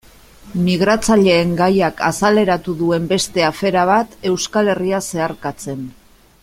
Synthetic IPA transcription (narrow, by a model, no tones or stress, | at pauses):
miɣ̞ɾat͡saʎe̞ːŋɡajaka̰sale̞ɾat̪uðue̞mbe̞st̪e̞afe̞ɾaβ̞at̪e̞wskale̞riase̞aɾkat͡se̞n